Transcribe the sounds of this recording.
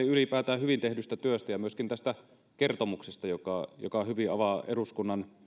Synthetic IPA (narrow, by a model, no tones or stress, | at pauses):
iylipæːt̪æːhyʋint̪ehdyst̪æt̪yøst̪æjɑmyøskint̪æst̪æ | kert̪omuksest̪ɑjokɑˑjo̰kɑhyʋiɑ̰ʋɑʔeɾuskunːɑn